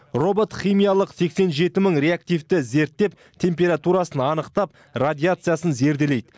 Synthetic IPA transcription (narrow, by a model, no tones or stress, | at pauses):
ro̞bo̞t̪χijmijalˠəqse̞kse̞nʒe̞t̪ɪməɴɾʲe̞ak̚t̪ijft̪ɪze̞ɾt̪ːe̞p̚ | t̪ʰe̞mpʲe̞ɾat̪uɾasənɑnəqt̪ɑp̚ | rad̪ʲiat̪sɨjasənze̞ɾd̪e̞le̞jd̪ɪ